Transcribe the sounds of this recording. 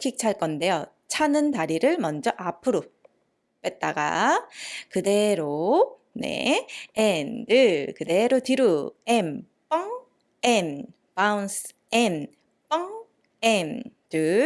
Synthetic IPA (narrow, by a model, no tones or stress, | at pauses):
kʰik̚t͡ɕʰaɭk͈ʌnde̞jo | t͡ɕʰanɯntaɾiɾɯɭmʌnd͡ʑʌʔapʰɯɾo | kwet̚t͈aɡa̰ | kɯde̞ɾo | ne̞̰endɯkɯde̞ɾotɯɾuem | p͈ʌŋ | en | pauns | en | p͈ʌŋ | endɯ